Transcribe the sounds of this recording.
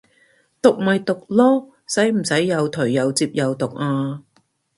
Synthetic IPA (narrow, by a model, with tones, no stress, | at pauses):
t̪ʊ˨k̚mɐ˨jt̪ʊ˨k̚lɔː˥ | sɐ˨˥jm̩˨˩sɐ˨˥jːɐ˨˧wt̪ʰɵ˨˩ɥːɐ˨˧wt͡siː˧p̚jɐ˨˧wt̪ʊ˨˩k̚aː˧